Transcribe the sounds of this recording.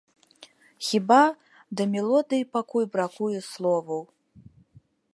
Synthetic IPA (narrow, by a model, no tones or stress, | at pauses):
xʲiba | d̪ɐmʲɛlˠɔd̪ɨjipakujbɾakujɛslˠɔvɐw